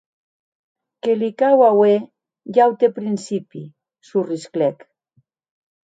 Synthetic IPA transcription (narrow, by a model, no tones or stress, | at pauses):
kelikawawe | ʎawt̪epɾinsipi | surisklɛk